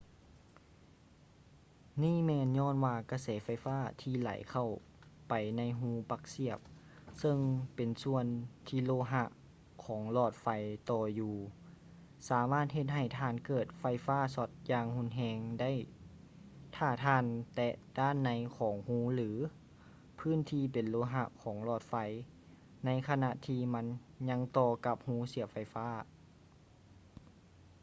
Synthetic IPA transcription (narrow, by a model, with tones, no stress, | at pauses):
niː˥˨mɛː˧nɲɔː˧˥˨nwaː˧ka˧˩sɛː˨˦fa˧˩jfaː˧˥˩t̪ʰiː˧˩la̰˨˩˦jkʰa˧˩w | pa˨˩jna˧˥jɦũː˧˥pa˧k̚si˧˩əp̚ | sɤ˧ŋpe˨˩nsu˧ənt̪ʰiː˧˩loː˧˨ɦa˧ʔ | kʰɔː˩˦ŋlɔː˧˩t̪̚fa˧˩jt̪ɔː˧juː˧ | saː˨˦maː˥˩t̪̚he˧t̪̚ɦa˧˩jt̪ʰaː˧˨nkɤː˨˩t̪̚fa˧˩jfaː˥˨sɔ˧˦t̪̚jaː˧ŋhu˧˥˨nɦɛː˧ŋda˥˨j | t̪ʰaː˧˩t̪ʰaː˧˥˨nt̪ɛ˧daː˧˥˩nːa˧˦jkʰɔː˨˩˦ŋhuː˧˥lɯː˩˨˦ | pʰɯː˧˥˨nt̪ʰiː˧˩pe˨nloː˧˥ɦa˧ʔkʰɔː˩˦ŋlɔː˧˩t̪̚fa˧˩j | na˧˥jkʰa˧na˧ʔt̪ʰiː˧ma˧˥˨nɲa˧˥ŋt̪ɔː˧ka˧˦p̚huː˧˥si˨˦əfa˧˩jfaː˥˩